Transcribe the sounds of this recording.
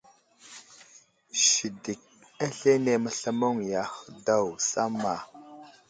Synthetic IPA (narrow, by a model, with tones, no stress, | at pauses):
ʃi˨di˨k̚ | a˦ɬe˦ne˨mə˨ɬə˦mo˦ŋja˨xə˨da˦˨wsa̰˦ma˨